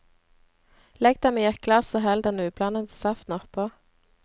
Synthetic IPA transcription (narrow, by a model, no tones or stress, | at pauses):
lɛɡ̚d̪ɛmeːjæklɑsoːɦɛld̪ɛnʉːblɑnənssɑft̪nɔʁpʰoː